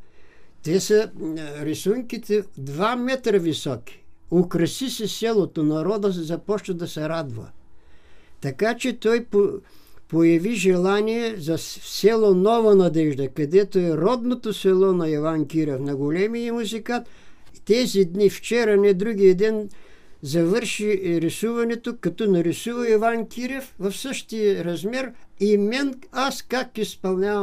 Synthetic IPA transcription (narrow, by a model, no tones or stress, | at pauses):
t̪ɛsɐɾɛsuŋkit̪ɛd̪vamɛt̪ɾɐvisɔkʲi̥okɾɐsisɛsɛlˠot̪onɐɾɔd̪əzɐpɔʃnɐd̪ɐsɛɾad̪vɐ̰ | t̪ɐkat͡ʃɛt̪ɔjpopojɐviʒɛlˠaniɛzɐsɛlˠonɔvɐnɐd̪ɛʒd̪ɐkɐd̪ɛt̪oɛɾɔd̪not̪osɛlˠɔnɐɐvankʲiɾɛfnɐɡolʲɛmijəmuzikat̪t̪ɛzid̪nift͡ʃɛɾɐnɛd̪ɾuɡ̟ijɐd̪ɛn | zɐvɤɾʃiɾisuvɐnɛt̪okɐt̪ɔnɐɾisuvɐɛvankʲʰiɾɛfvɐfsəʃt̪ijəɾɐzmɛɾimɛnaskakːiispɐlˠnʲavɐ